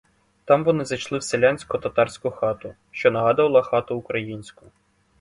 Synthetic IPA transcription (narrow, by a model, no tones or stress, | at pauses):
t̪ɑmʋɔnɪzɐjt͡ʃlˠɪwselʲanʲsʲkʊt̪ɐt̪ɑrsʲkʊxɑt̪ʊ | ʃt͡ʃɔnɐɦɑd̪ʊʋɐlˠɐxɑt̪ʊːkɾɐjinʲsʲkʊ̥